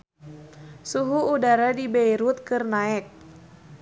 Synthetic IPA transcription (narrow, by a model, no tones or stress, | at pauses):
suɦuːdaɾadibejɾut̪̚kɨrnaɛk̚